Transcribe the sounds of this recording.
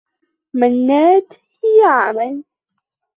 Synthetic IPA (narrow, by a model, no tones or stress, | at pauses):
manːaːd̪hhɪjaʕamal